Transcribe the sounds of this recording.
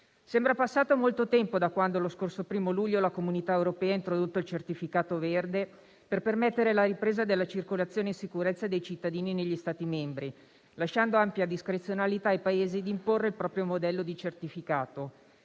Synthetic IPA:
sɛmbɾapasːaːt̪omolt̪ot̪ɛmpod̪akwand̪oloskorsopɾiːmoluʎːolakomunit̪aewɾopɛːaint̪ɾod̪ot̪ːoilt͡ʃert̪ifikaːt̪overd̪e | perpermɛt̪ːeɾelaɾipɾeːzad̪elːat͡ʃirkolat̪sːjoːnensikuɾɛt̪sːad̪ejt͡ʃit̪ːad̪iːnineʎːist̪aːt̪imɛmbɾi | laʃːand̪oampjad̪iskɾet̪sjonalit̪aːjpaeːzid̪imporːeilpɾɔːpɾjomod̪ɛlːod̪it͡ʃert̪ifikaːt̪o

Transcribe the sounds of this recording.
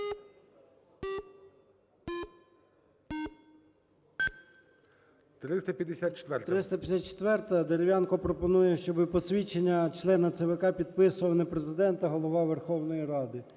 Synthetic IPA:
t̪ɾɪst̪ɐpʲjɐd̪esʲat̪̚t͡ʃe̥t̪ʋɛrt̪ɾɪst̪ɐpʲjɐsʲat̪̚t͡ʃe̥t̪ʋɛrt̪ɐd̪eɾeʋʲjɑnkɔpɾɔpɔnujɛʃt͡ʃɔbɪpɔsʲʋʲit͡ʃenʲːɐt͡ʃlˠɛnɐt̪sɛʋekɑpʲid̪̚pɪsʊʋɐlˠnɛpɾezɪd̪ɛnt̪ɐɦɔlˠɔʋɑʋerxɔwnɔjiɾɑd̪ɪ

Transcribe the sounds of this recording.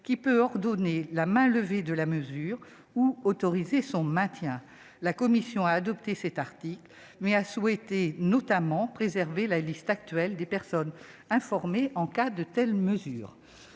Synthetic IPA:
kʲipøɔʁd̪ɔnelamɛ̃ləved̪əlaməzyːʁ | uot̪ɔʁizesɔ̃mɛ̃t̪jɛ̃ | lakɔmisjɔ̃aːd̪ɔpt̪esɛt̪aʁt̪ikl | mɛaswɛt̪enɔt̪amɑ̃pχezɛʁvelalist̪ak̚t̪ɥɛld̪epɛʁsɔn | ɛ̃fɔʁmeʔɑ̃kad̪ət̪ɛlməzy̰ːʁ

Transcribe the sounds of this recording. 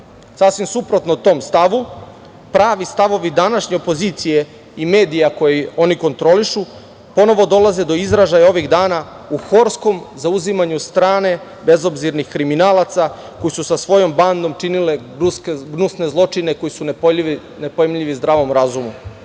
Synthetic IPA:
sasʋimsupɾo̞t̪not̪o̞ːmst̪aʋu | pɾaːʋist̪aʋo̞ʋid̪anaʃɲe̞opoziːt̪sije̞ | ime̞ːd̪ijako̞jio̞niko̞nt̪ɾo̞liʃu | po̞no̞ʋo̞d̪o̞lˠaze̞d̪o̞izɾaʒajao̞ʋiɣd̪aːna | uxo̞ɾsko̞mzauzimaɲust̪ɾaːne̞ | be̞zo̞bziɾnixkɾiminaːlˠat̪sa | ko̞jisusasʋo̞jo̞mband̪o̞mt͡ʂinile̞ | uskeɡnusne̞zlˠo̞t͡ʂine̞ko̞jisun | nepojemʎiʋizd̪ɾaːʋo̞mɾazumu

